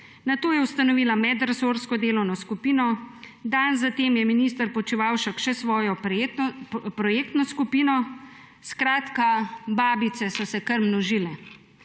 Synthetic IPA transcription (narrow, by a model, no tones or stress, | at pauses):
nat̪oːjɛwust̪anɔʋiːlamɛd̪ɾɛsoːɾskɔd̪eːlɔwnɔskupiːnɔd̪anzat̪eːmjɛminiːst̪əɾpɔt͡ʃiʋaːwʃakʃɛsʋɔːjɔ | pɾɔjeːk̚t̪nɔskupiːnɔ | skɾaːt̪kabaːbit̪sɛsɔsɛkəɾmnɔʒiːlɛ